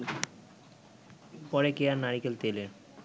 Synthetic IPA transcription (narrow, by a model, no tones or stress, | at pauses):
pɔɾekeaɾnaɾikelt̪eleɾ